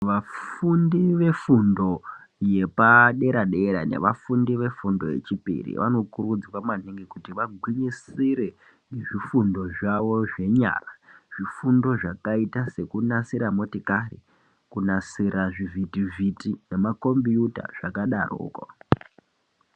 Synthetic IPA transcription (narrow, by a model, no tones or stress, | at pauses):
ʋafundiʋe̞fundo̞ | je̞paɗe̞ɾaɗe̞ɾa̰ne̞̰ʋafundiʋe̞fundo̞je̞̰t͡ʃipḭrḭʋano̞kurud͡zwamaniŋɡekutiʋaɡʱwiɲisiɾe̞ | ŋɡeʐifundo̞ʐaʋo̞ʐe̞ɲa̰ːraʐ̥ifundo̞ʐakaitase̞kunasiɾamo̞tikarḭ | kunasiɾaʐivʱitivʱitine̞mako̞mbijuta̰ʐ̥akaɗaro̰ːko̰